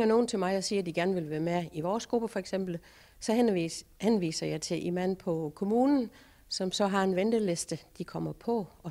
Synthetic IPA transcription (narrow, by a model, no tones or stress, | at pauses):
ŋɐno̝ːn̩t͡sʰe̝lmɑ̈ɪɒ̽siːɐd̥iɡ̥æɐnəʋe̝lʋæːɐmeiʋɒːsɡ̥ʁub̥əfɒ̽eɡ̥sem̰b̥l̩ | sɒ̽henʋḭːsɐjɑ̈ɪt͡sʰe̝ʔenmæn̰pʰɒ̽kʰo̝muːnn̩ | sɒ̽msɒ̽ɦɑ̈e̝nʋend̥əlesd̥əd̥ikʰɒ̽m̰ɐpʰɒ̽ɒ̽